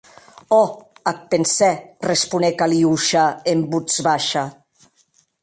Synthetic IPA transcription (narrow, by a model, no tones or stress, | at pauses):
ɔak̚pensɛrespunekaliuʃaembud͡zβaʃa